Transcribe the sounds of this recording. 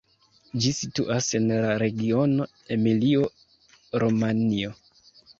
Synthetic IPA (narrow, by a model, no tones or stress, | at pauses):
d͡ʒisituʔase̞nlaɾe̞ɡio̞no̞ | e̞milio̞ | ɾomanio̞